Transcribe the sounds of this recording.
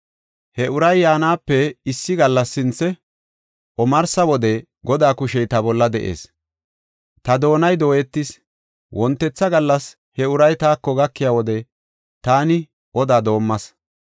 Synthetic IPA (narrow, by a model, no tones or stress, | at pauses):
hɛʊɾɐjːaːnaːpːɛɪsːɪɡɐlːɐsːɪnt͡sːɛ | ʔɔmɐɾsɐwɔd̪ɛ | ɡɔd̪aːkʊʃɛjt̪ɐbɔlːɐd̪ɛʔḛːs | t̪ɐd̪o̞ːnɐjd̪o̞ːjɛt̪ːɪs | wʔɔnt̪ːɛt͡sːɐɡɐlːɐs | hɛʊɾɐjt̪aːkːɔɡɐkːɪjaːwɔd̪ɛ | t̪aːnɪ | ʔɔd̪aːd̪o̞ːmːɐs